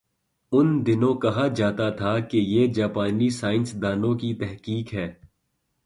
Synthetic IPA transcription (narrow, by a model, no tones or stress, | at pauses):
ʊnd̪ɪnõkɐɦad͡ʒaːt̪at̪ʰakejeːd͡ʒaːpaːnisaːɪnsd̪aːnõkit̪ɛɦkiːkɦɛː